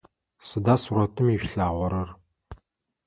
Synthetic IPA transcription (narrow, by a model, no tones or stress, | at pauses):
sɨdasuɾɐtʰɨmiɕɬaːʁʷɔɾɨr